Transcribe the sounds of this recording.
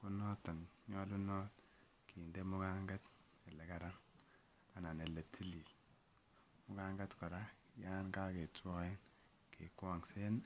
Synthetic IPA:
ku˦nɔ˦ta˨nɲɔ˦lu˦no˦t | ki˨nde˦mu˦ka˦ŋɡa˦t | e˨le˨ka˦ɾa˦n | a˨na˨ne˨le˨tʰi˦li˨ | mu˦ka˦ŋɡa˦tkɔ˨ɾa˦ | ja˦nka˦ke˨tɔ˦e˦n | kḛ˨kwwa˨ŋse˦n

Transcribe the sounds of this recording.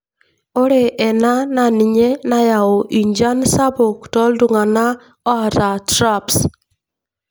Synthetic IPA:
o˦ɾe˨ʔɛ˨na˦na˨ni˨ɲe˦na˦ja˨o˨ʔi˨ɲd͡ʒa˦nsa˦bo˨ktɔ˦ldu˨ŋa˨na˦ | ɔ˦a˨ta˨tɾa˦ps

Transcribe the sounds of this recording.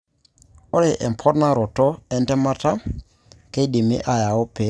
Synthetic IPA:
o˦ɾe˨ʔɛ̰˨m˨pʰɔ˦ɾna˦ɾɔ˨tɔ˦ɛ˦ntɛ˦ma˦ta˦ | ke˦di˨mḭ˦ʔa˨ja˨o˦pe˨˦

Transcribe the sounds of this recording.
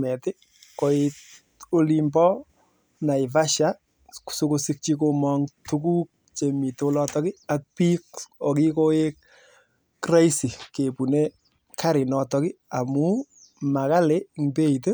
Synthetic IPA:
mɛ˨tɪ˦ | ko˨ɪt | o˦li˦mbɔ˦ | na˨ɪ˨va˦ʃa | ku̥so˦ko˧si˦k̚t͡ʃiko˧mɔŋtu˦ku˦k̚ | t͡ʃe˨mi˨tolɔ˧tɔ˦kɪ˦ak̚piko˨ki˦ko˦e˦k̚ː | ra˦jsi˨ke˨pu˨ne | kʰa˦ɾɪ˨nɔ˨tɔkɪ˦a˨mu | ma˨ka˦le˦ŋbe˦i˨te˦

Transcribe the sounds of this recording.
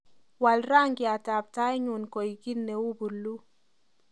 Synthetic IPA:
wa˨lɾa˦ŋɡi˨a˨ta˨b̚ta˦jɲu˨nkɔ˨jɡi˦nːe˨wu˦bu˨lːu˦

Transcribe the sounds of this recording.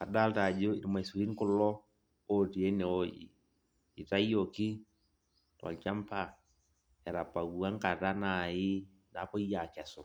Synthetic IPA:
a˨da˦lta˨d͡ʒo˦˨ma˨i˨su˨ɾi˦n˦kʊ˦lɔ˦ | o˦ti˨e˦nɛ˨o˦jḭ˨ | ɪ˨ta˦i˦o˨kɪ˦ | twa̰˨lt͡ʃa˦mpa˦ | ɛ˨ɾa˨pa˨ɡu˨a˦ŋ˦ka˨ta˦na˨ɪ˦ | na˨pɔ˦i˦ja˨kɛ˨sɔ˨

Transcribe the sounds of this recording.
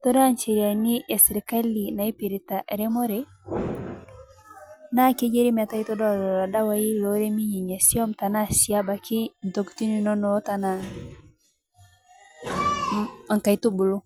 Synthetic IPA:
to˦da˦nt͡ʃi˨ɾi˨a˨ni˦ʔe˨sɾi˨ka˦li˨na˨i˦pi˨ɾi˨ta˨ʔɾe˦mo˦ɾe˦ | na˦ke˦d͡ʒe˦ɾi˦ma˨ta˦i˦to˦dɔ˦˨ɾɔ˨a˨da˦wa˦ji˦lo˨˦ɾe˦mi˦ɲi˨ɲe˨si˦o˦mta˨na˦si˨a˦ba˨ki˦n̩˨to˨kti˦ni˦no˦no˨˦ta˨na˨ | a˨ŋka˨jtu˦bu˨lu˦

